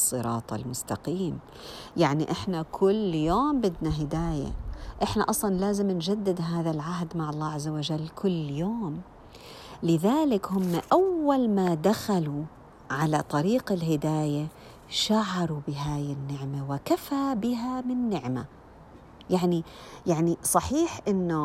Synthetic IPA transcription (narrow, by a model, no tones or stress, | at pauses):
sˤːɨɾˤɑ̰ːt̪ˤɑ̰lmʊst̪ɑqiːm | jaʕniʔɪħnakʰʊlːjoːmbɪd̪naɦɪd̪aːja̰ʔɪħna̰ʔɑsˤlɑnlaːzɪmnd͡ʒad̪ːɪd̪ɦaːðalʕaɦd̪maʕɑlˤːɑːʕazːawad͡ʒalːkʰʊlːjoːm | lɪðaːlɪkhʊmːaʔawːalmad̪axalu | ʕalat̪ˤɑɾiːqɪlɦɪd̪aːja | ʃaʕɑɾˤubɪɦaːjɪnːɪʕmawɪkafabɪɦamɪnːɪʕma̰ | jaʕnijaʕnisˤɑħiːħʔɪnːʊ